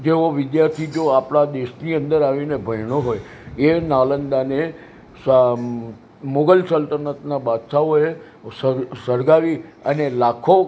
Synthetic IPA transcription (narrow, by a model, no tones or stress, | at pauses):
d͡ʒeoʋɪd̪jaɾt̪ʰid͡ʒoapɽ̃ad̪eʃniə̃nd̪əɾaʋinebʱəjɳoɦoj | enalənd̪ane | s | moɡəlsəlt̪əɾnət̪nabad̪ʃaoe | səsəɾɡaʋiənelakʰo